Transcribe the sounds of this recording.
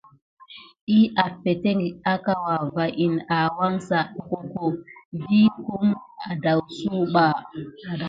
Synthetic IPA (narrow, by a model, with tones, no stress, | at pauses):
i˦ʔa˨fe˨te˦ŋ˨a˦ka˨wa˨va˨ʔi˨na˨wa˦ŋsa˨ɗko˨ko˨vi˦ku˦ma˨da˨wsu˦ɓa˨